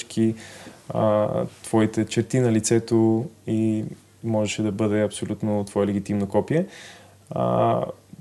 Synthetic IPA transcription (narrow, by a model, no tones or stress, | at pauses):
kḭ | t̪v̥ɔit̪ɛt͡ʃɛɾt̪inɐlit̪sɛt̪oi | mɔʒɛʃɛd̪ɐbɤd̪ɛɐpsolʲut̪not̪vɔəlɛɡit̪imnokɔpijɛ̰